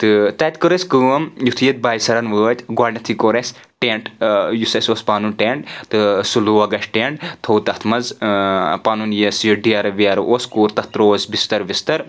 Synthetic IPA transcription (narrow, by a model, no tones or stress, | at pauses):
t̪ɨt̪ɐːt̪ʲkɨɾɐsʲkɨːmjut̪ʰjɐt̪̚baːjsɐɾɐnʋəːt̪ʲɡwaːɖʲnɐt̪ʰikoːɾesʲ | ʈeːɳʈjusɐsʲoːspaːnunʈeːɳʈt̪ɨsuluɐɡɐʃʈʈeːɳʈt̪ʰowt̪ɐt̪ʰmɐnz | paːnunjɐsjiɖijaːɾɐʋiaːɾʔoːskuːɾt̪ɐt̪ɾoːsʲbist̪ɐɾʋist̪ɐɾ